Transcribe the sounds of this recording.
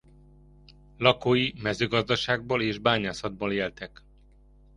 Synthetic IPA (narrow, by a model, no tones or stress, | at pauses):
lɒkoːjimɛzøːɡɒzd̪ɒʃaːɡ̚boːleːʒbaːɲaːsɒd̪̚boleːlt̪ɛk